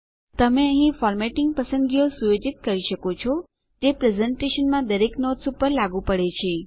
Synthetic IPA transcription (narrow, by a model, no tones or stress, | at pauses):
t̪əmeəɦĩfɔɾmeʈɪŋɡ̚pəsə̃nɡijosuʋed͡ʒit̪̚kəɾiʃəkot͡ʃʰɔ | d͡ʒepɾezeɳʈeʃənmãd̪əɾeknoʈsupəɾlaɡũpəɽet͡ʃʰe